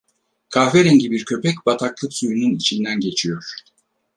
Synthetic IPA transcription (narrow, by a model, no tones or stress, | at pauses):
kʰaːveɾɛɲɟibiɾcʰø̞pʰɛcbat̪ʰaklˠɯksujununit͡ʃʰind̪ænɟe̞t͡ʃʰijo̞ɾ̥